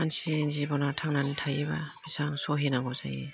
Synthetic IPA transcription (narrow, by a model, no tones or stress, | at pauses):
ansinzibɔnatʰaŋnanitʰajebab̥isaŋsɔɦenaɡɔza̰je